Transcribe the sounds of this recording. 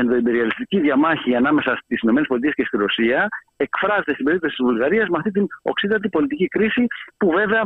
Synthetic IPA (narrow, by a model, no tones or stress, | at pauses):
end̪o̞ibe̞ɾiɐlist̪iciðʝɐmɐçiɐnɐme̞sɐst̪isinome̞nespo̞lit̪ie̞sce̞st̪iɾo̞siɐ | e̞kfɾɐzet̪et̪imbe̞ɾip̚t̪osi̥t̪izvulɣɐɾiɐzmeɐft̪it̪ino̞̰ksiðɐt̪̬ipo̞lit̪icikɾisipuve̞ve̞ɐ